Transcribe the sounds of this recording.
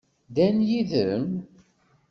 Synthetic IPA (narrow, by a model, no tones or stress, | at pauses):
d̪ænjiðən